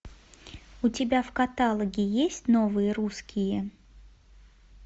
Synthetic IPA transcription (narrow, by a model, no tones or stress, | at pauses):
ʊtʲɪbʲafkɐt̪alˠəɡʲɪjesʲtʲnovɨjəɾuskʲɪjə